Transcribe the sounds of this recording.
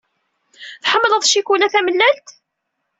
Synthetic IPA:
θħəmːləðˤʃikulæθæməlːælt̪

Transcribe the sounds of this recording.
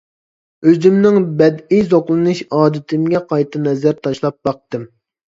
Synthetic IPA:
øzymnɪŋbɛd̪ijzoqlˠɨnɨʃɑːd̪ɪt̪ʰɪmɡʲɛqʰɑjt̪ʰɨnɛzæɾt̪ʰɑʃlˠɑp̚bɑq̚t̪ɨm

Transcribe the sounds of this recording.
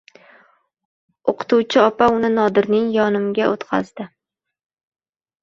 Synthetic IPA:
oqʰɨ̥t̪ʰuwt͡ʃʰɪɒpaʊnɪnɒd̪ɪɾnɪŋjɒnɪmɡʲaʔot̪qʰɑ̰zd̪ɪ

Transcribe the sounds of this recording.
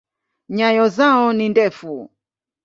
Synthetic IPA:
ɲajɔzaɔnindɛfu

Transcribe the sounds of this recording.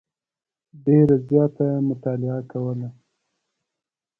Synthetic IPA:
ɖeɾazjɑt̪amʊt̪ɑlɪakawəla

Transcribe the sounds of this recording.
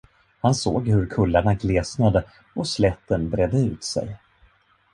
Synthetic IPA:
hanso̰ːɡhɵɾkʰɵlːaɳaɡleːsnad̪ə | ɔslɛt̪ːənbɾeːd̪əʉ̟ːt̪sɛ̰j

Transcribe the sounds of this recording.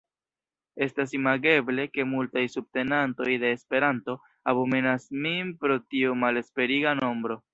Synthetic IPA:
e̞stas̬imaɡe̞ble̞ke̞multajsub̚te̞nanto̞jde̞ːspe̞ɾanto̞ | abome̞nasminpɾo̞tiomale̞spe̞ɾiɡano̞mbɾo̞

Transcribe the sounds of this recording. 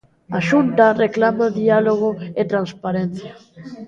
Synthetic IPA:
aʃunt̪areklamaðialoɣ̞oet̪ɾanspaɾen̟θja

